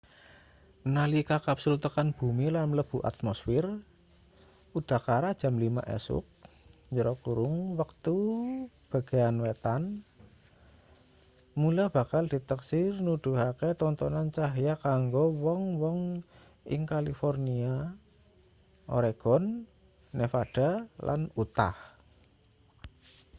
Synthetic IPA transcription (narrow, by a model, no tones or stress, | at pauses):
nalikakapsult̪əkanb̥ṳmilamləb̥ṳʔa̰t̪̚mɔsfɪr | ud̥a̤kaɾad̥ʒ̥a̤mlima̰ʔɛ̰sʊ̰k̚ | ɲd͡ʒəɾɔkuɾʊŋwək̚t̪u | b̥a̤ɡ̥e̤anwet̪an | mulab̥a̤kald̥i̤t̪əksɪrnud̪̥ṳɦakɛt̪ɔnt̪ɔnant͡ʃaɦjakaŋɡɔwɔŋwɔŋ | ʔɪ̰ŋkalifɔrnia | ʔɔ̰ɾeɡ̥ɔnː | efad̥alʔa̰nut̪a̰h